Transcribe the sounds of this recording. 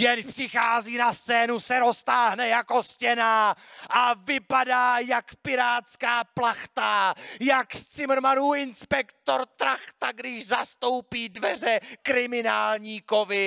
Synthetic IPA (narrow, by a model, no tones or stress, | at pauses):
jɛnpr̥ɪxaːziːnast͡sɛːnusɛɾo̞st̪aːɦnɛjakoscɛnaːʔavɪpadaːjakpɪɾaːt̪skaːplaxt̪ajakst͡sɪmɾmanuːɪnspɛkt̪oɾt̪ɾaxt̪aɡdɪʃzast̪o̞wpiːdvɛr̝ɛkɾɪmɪnaːlɲiːkovɪ